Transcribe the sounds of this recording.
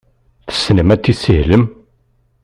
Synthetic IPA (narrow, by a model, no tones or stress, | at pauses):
θə̥sːnəmæt͡sːisihləm